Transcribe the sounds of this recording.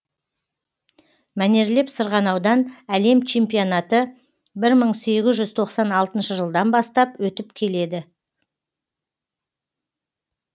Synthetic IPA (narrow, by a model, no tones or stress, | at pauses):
mæne̞ɾle̞psəɾʁɑnɑwd̪ɑnæle̞mt͡ʃʰe̞mpijonɑt̪ə | bɪɾməɴse̞ɡʲɪzʒʏzt̪ʰo̞qsɑnɑlˠt̪ənʃəʒəlˠd̪ɑnbɑst̪ɑpwɵt̪ɪpkʲʰe̞le̞d̪ɪ